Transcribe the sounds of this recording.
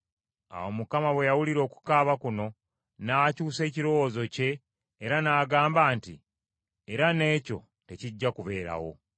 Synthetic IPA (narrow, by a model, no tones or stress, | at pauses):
a̰womukamaβwe̞jawuliɾo̞ːku̥kaːβakuno̞ | naːcuːse̞ːciɾo̞wozo̞ce̞ː | ɾanaːɡaːmbaːnti | eɾane̞ːco̞̰ | te̞ciɟːakuβe̞ːɾa̰wo̞̰